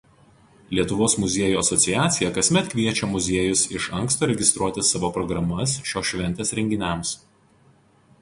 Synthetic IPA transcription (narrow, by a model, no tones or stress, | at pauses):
lʲiɛt̪ʊʋoːsmʊzʲeɛjuːɐsɔt̪sʲɪjæːt̪sʲɪjɛkɐsʲmʲɛt̪kʲʋʲiɛt͡ʃʲɛmʊzʲeɛːjʊsɪʃɐŋkst̪oːɾʲɛɡʲɪst̪ɾuɔt̪ʲɪsɑʋoːpɾɔɡɾɐmɐsʃʲoːʃʲʋʲɛnʲt̪ʲɛsɾʲɛŋʲɡʲɪnʲæˑms